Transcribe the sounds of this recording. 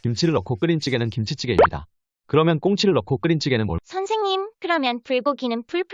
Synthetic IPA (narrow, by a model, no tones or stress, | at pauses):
kimt͡ɕʰiɾɯɭːʌkʰok͈ɯɾint͡ɕ͈iɡe̞nɯnkimt͡ɕʰit͡ɕ͈ʰiɡe̞ḭmɲida̰ | kɯɾʌmjʌnk͈oŋt͡ɕʰiɾɯɭːʌkʰok͈ɯɾint͡ɕ͈iɡe̞nɯnmwʌsʰʌnsʰe̞ŋɲimkɯɾʌmjʌnpuɭɡoɡinɯnpuɭpʰ